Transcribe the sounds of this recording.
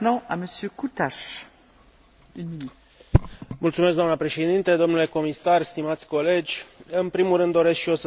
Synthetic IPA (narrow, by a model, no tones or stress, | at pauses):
nɑ̃a̰məsjøkut̪aʃ | ynminy | mult̪sumeskɡd̪amnəpɾe̞ʃe̞d̪int̪e̞d̪o̞mnule̞ko̞misarst̪imat̪sʲko̞le̞d͡ʒʲɨnpɾimulrɨnd̪ːo̞ɾe̞skʃio̞sə